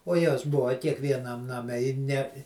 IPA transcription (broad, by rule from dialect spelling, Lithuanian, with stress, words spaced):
oː ˈjoːs ˈbʊʋɐ kʲiɛkʋʲiɛˈnɐm nɐˈmʲɛ ɪ nʲɛ